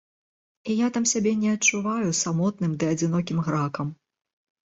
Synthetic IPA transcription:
ijat̪amsʲabʲɛnʲɛɐt͡ʂːuvajusamɔt̪̚nɨmd̪ɨɐd͡zʲin̪ɔkʲimɣɾakɐm

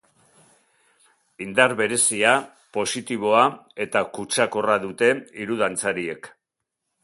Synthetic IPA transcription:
ind̪aɾβe̞ɾe̞sia | po̞sit̪iβ̞o̞ae̞t̪akut͡ʃako̞raðut̪e̞iɾuð̞ant͡saɾie̞k

